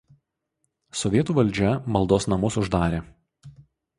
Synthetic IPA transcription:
sɔʋʲiɛt̪uːʋɐlʲˑd͡ʒʲɛmɐlˠd̪oːsnɐmʊsʊʒd̪ɑːɾʲeː

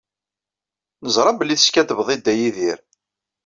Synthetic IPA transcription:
nəzɾˤɑbəlːiθə̥skæd̪əvðˤid̪ːæjiðiɾ

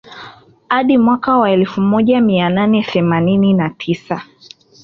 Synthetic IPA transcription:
haɗimwakawaɛlfumɔʄamiananɛθɛmanininatʰisa

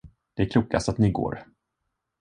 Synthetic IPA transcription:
d̪̥ɛæɾkʰluːka̰st̪at̪nɪɡo̰ːɾ

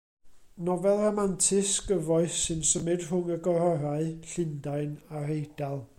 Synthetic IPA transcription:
nɔvɛlˠrɔmantʰɪsɡ̥əvɔɨθːɨnsəmɨd̥rʊŋəɡɔɾɔɾaɨɬɪndaɨnaɾejd̥alˠ

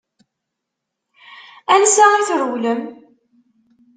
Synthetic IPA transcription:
ænsæʁiθɾəwləm

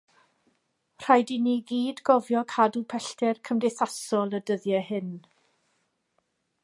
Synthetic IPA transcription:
r̥ajdiniɡiːdɡɔvjɔkʰadupʰɛɬtʰɛrkʰəmdejθasɔlˠədəðjɛhɪn

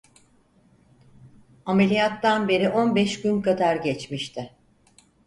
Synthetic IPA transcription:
ame̞lʲijat̪ːanbe̞ɾiʔo̞nbɛʃɟynkad̪aɾɟɛt͡ʃmiʃt̪ʰɪ

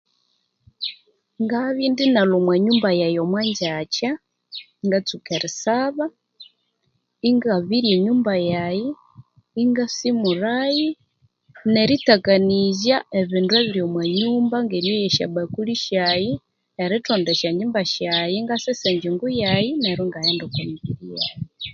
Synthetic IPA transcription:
ŋɡaβindinalomweɲuːmbajajomwaɲd͡ʒat͡ʃa | iŋɡat͡sukeɾisaβa | iŋɡaβiɾjeɲuːmbajajiː | ŋɡasimuɾaji | nɛɾitakanizaɛβinduɛβiɾijɔmwaɲumbaŋɡɛɾjɔjɛʃa̰bakuliʃaji | ɛɾitʰɔndɛʃaɲumbaʃajiŋɡasɛsɛɲd͡ʒiŋɡujainɛɾɔŋɡajɛndɔkamiβiɾija̰ji

